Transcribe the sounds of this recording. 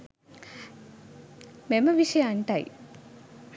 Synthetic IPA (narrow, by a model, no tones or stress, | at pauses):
meməʋiʂɐjaːɳʈaj